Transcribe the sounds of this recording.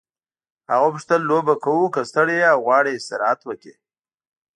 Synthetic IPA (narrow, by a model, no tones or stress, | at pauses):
ha̰ɣopəʂt̪əlːobakawukast̪əɽeawɣwɑːɽeɪst̪ɪɾɑat̪wəke